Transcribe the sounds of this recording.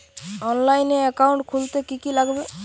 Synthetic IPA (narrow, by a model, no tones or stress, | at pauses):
ɔnlajneekauɳʈkʰult̪ekikilaɡbe